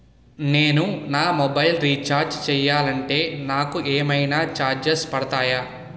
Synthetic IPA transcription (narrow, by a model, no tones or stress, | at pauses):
neːnunaːmobɐjlɾiːt͡ʃaːɾd͡ʒt͡ʃɛːjːaːlɐɳʈe̞ːnaːkueːmɐjnaːt͡ʃaːɾd͡ʒespɐɽɐt̪aːjaː